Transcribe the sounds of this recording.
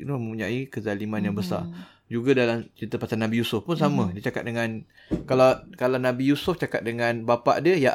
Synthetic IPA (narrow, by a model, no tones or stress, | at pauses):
numə̃mpuɲaikəzalimanjaŋbəsa̰r | d͡ʒuɡadalamt͡ʃit̪əpasanabijusʊfpʊns̬amə̃dət͡ʃaka̰t̪̚dəŋãn | kalakalawnabijusʊft͡ʃakat̪̚dəŋãnbapa̰ʔdiəjaʔ